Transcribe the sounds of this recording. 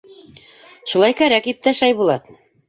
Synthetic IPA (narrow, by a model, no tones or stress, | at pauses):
ʃulˠɑjkæɾækip̚t̪æʃæjbulˠɑt̪